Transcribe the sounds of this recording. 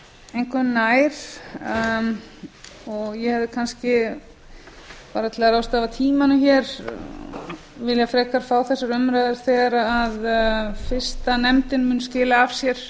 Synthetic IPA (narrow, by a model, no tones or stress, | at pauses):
ejŋkʏnnaːjɾ̥ | ɔɣjɛhɛvðɪkʰanscɪ | paːɾat̪ʰɪlaɾaːwst̪aːvat̪ʰiːmanʏçɛɾ̥ | vɪljafɾɛːkaɾ̥faːwθɛsːaɾʏmɾajðɪɾ̥θɛːɣaɾaaðfɪr̥st̪anɛmt̪ɪnmʏnscɪːlaːv̥sjɛɾ̥